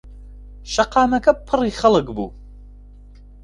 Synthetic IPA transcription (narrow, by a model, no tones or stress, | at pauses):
ʃɐqʰɑːnɐkʰɐpʰɨriχɐlɨkbṵ